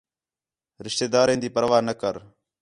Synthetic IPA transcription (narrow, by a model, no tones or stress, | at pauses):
ɾɪʃt̪eːd̪aːɾẽːnd̪iːpəɾʋaːnəkəɾ